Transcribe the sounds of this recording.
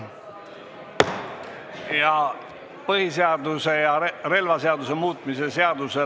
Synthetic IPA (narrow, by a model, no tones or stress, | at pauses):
jɑ | pɤhiseɑd̪use̞jɑre̞lvɑseɑd̪use̞muːt̪ˑmise̞seɑd̪use